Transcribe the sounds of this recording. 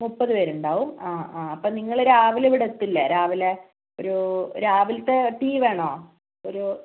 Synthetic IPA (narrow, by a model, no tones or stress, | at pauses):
mupːɐðuʋeːɾuɳɖaːʋumaːɐpːoːniŋːɐɭɾaːʋileʋiɽet̪ːilːɐɾaːʋile | oɾuɾaːʋilt̪ːeʈiːʋe̞ːɳoː | oɾu